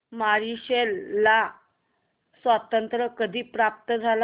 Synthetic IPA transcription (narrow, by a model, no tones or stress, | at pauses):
maɾiɕelːa | sʋat̪ənt̪ɾəkəd̪ʱiːpɾap̚t̪əd͡zʱal